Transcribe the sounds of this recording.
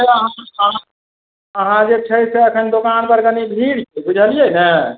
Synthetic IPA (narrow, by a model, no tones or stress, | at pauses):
eəɦãəɦã | əɦãd͡ʒet͡ʃʰəiseəkʰənd̪okanpəɾkənibʱiɽkebud͡ʒʱəlijenɛ